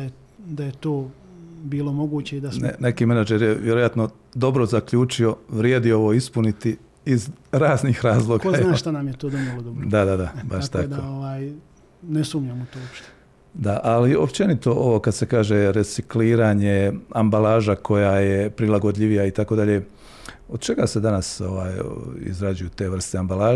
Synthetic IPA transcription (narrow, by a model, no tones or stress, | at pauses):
aj | d̪ajet̪oːbiːlˠomo̞ɡuːt͡ɕeid̪asnene̞kiːmenad͡ʒeɾjeʋjeɾo̞jat̪no̞ | d̪o̞bɾo̞zakʎuːt͡ʃio̞ʋɾjeːd̪io̞ʋo̞ispunit̪i | izɾaːznixɾaːzlˠo̞ːɡkaonaːʃt̪anamjet̪oːd̪omolod̪obɾod̪ad̪ad̪abaʃt̪aakd̪ooʋaːj | nesumɲamut̪oːopʃt̪e̥ | d̪aʔalio̞pt͡ʃe̞nit̪o̞ʔo̞ʋo̞kad̪se̞kaːʒe̞ɾet̪sikliːɾaːɲe̞ambalaːʒakʰo̞jajepɾilˠaɡo̞d̪ʎʲiʋijait̪ako̞d̪aʎe̞ | o̞d̪t͡ʃe̞ɡase̞d̪anaso̞ʋaːjḭzɾad͡ʒujut̪e̞ːʋr̩st̪eambalaː